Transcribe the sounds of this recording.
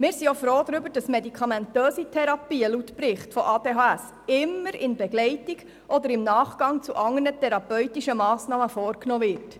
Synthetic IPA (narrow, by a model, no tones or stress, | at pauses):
mɪːɾsiofɾoːd̥̪ɾʏbəɾd̥ɑsmɛdikʰɑmɛntøːsitʰɛɾɑpiːəlutpɾɪχtfɔʔɑːd̥eːɦɑːæs | ɪmːəɾɪnbɛɡlɛjtiɡ | ʔɔd̪əɾɪmnɑːχɡ̥ɑŋt͡suʔɑŋːənətʰɛɾɑpœɥtiʃəmɑːsnɑːməfɔːɾknoːvɪɾt